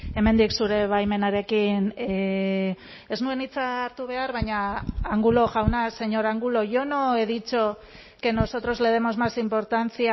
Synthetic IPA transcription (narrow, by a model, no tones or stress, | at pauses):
e̞me̞nd̪iksuɾe̞βajme̞naɾe̞kin | e̞znue̞nit͡saːɾt̪uβ̞e̞aɾβaɲaːŋɡulo̞ʝawnase̞ɲo̞ɾaŋɡulo̞ʝo̞no̞eðit͡ʃo̞ | ke̞no̞so̞t̪ɾo̞zle̞ð̞e̞mo̞zmasimpo̞ɾt̪ant͡sia